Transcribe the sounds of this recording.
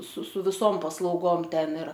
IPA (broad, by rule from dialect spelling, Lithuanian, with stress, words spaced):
sʊ sʊ ʋʲɪˈsoːm pɐslˠɐʊˈɡoːm ˈtʲɛn ɪr